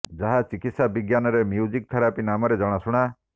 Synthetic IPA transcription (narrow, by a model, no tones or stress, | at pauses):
d͡ʒaɦat͡ʃikit̪sabiɡjanɔɾemjud͡ʒik̚t̪ʰɔɾapinamɔɾed͡ʒɔɽ̃asuɽ̃a